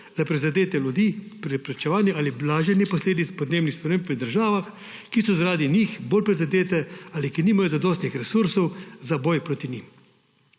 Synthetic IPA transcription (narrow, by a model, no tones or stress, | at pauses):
zapɾɛizad̪eːt̪ɛlud̪iːpɾɛpɾɛt͡ʃɛʋaːnjɛʔaliblaːʒɛnɛpɔsleːd̪it̪spɔd̪neːbnixspɾɛmeːmpʋəd̪əɾʒaːʋax | kisɔzaɾaːd̪inixboːlpɾɛzad̪eːt̪ɛalikiniːmajɔzad̪ɔːst̪nixɾɛsuɾsɔwzabɔjpɾoːt̪inim